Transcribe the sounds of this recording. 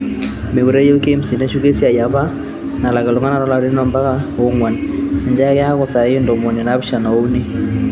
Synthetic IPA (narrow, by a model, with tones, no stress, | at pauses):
me˨bu˨ɾe˦jo˦ke˦msi˨ne˦ʃu˦ke˦si˦a˨ja˨βa˦ | na˨la˨ɡa˨lu˨ŋa˦na˨ɾɔ˦la˨ɾi˦nɔ˦mba˦ka˦o˦ŋwa˨na˨ɲd͡ʒa˦kɛ˦a˦kɔ˨sa˨ɪ˦ndɔ˨mɔ˨ni˨na˦bʃa˨nɔ˨u˦ni˦